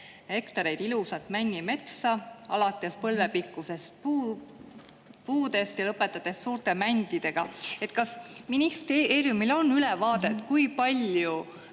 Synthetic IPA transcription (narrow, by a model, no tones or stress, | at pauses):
he̞kt̪ɑɾe̞jd̪̥ilusɑt̪ːˑmænʲːime̞t̪sɑɑ̰lɑt̪ːˑe̞spɤlve̞pikːˑuse̞st̪pu | puːd̪̥e̞st̪jɑlɤpːˑe̞t̪ːˑɑt̪ːˑe̞ssuːɾt̪e̞mænʲd̪̥id̪̥e̞ɡ̥ɑe̞t̪ːˑkɑsminist̪eːɾjumilo̞nːylevɑːd̪̥e̞t̪ːˑkujpɑlʲju